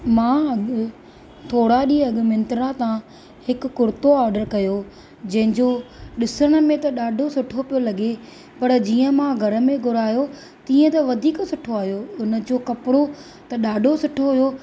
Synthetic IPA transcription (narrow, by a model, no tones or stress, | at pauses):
mãːɐ | t̪ʰoːɽaɗiːɐɡmẽnt̪ɾãt̪ã | hɪkːʊɾt̪oaːɾɖəɾkɐjo | d͡ʑɐ̃ɦɪ̃ɲd͡ʑoɗɪsəɽ̃ə̆mẽt̪ɐɗaːɖʱosʊʈʰopijolɐɠe | pɐɾd͡ʑiːə̃mãɡʱɐɾə̆mẽɡʱʊɾaːjo | t̪ĩːə̃t̪ɐʋɐd̪ʱiːksʊʈʰoaːɦijoʊnəd͡ʑoːkɐpɪɽo | t̪ɐɗaːɖʱosʊʈʰoɦʊjo